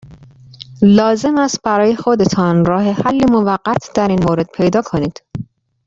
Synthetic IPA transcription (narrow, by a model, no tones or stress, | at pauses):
lɒːze̞mæst̪̚bæɾɒːje̞xo̞d̪e̞t̪ʰɒnɾɒːhe̞hælːimovæɢːæt̪ʰd̪̥æɾiːnmoːɾe̞d̪̥̚pʰe̞jd̪ɒːkʰo̞niːd̪̥